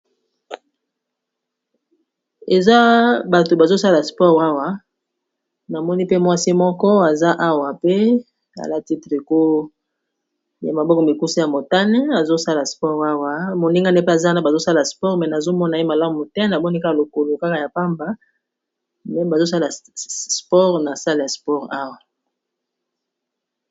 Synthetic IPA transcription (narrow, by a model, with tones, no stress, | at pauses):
e˨za˦ba˨to˨ba˨zo˦sa˦la˨spɔ˦ʁa˦wa˦ | na˨mɔ˦ni˦pe˦mwa˦si˦mɔ˦kɔ˦a˨za˦ʔa˦wa˨pe˦ | a̰˨la˦ti˦tʁe˨ko˦ | ja̰˨ma˨bɔ˦kɔ˨mi˨ku˦si˦ja˨mo˨ta˦nɛ˦a˨zo˦sa˦la˨spɔ˦ʁa˦wa˦mo˨ni˦ŋɡa˦ne˦pe˦a˨za˦na˦ba˨zo˦sa˦lspɔ˦ʁmɛ˨na˨zo˦mɔ˦na˨e˦ma˨la˦mu˨tɛ˦na˨mɔ˦ni˦ka˦ka˨lo˨ko˨lo˨ka˦ka˨ja˨pa˦mba˦ | mɛ˨ba˨zo˦sa˦la˨spɔ˦ʁna˨sa˦le˨ja˨spɔ˦˨ʁa˦wa˨